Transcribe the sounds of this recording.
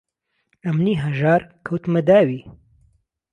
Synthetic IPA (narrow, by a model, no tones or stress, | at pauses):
ɐmniɦɐʒaːɾkʰawt̪mɐd̪aːwi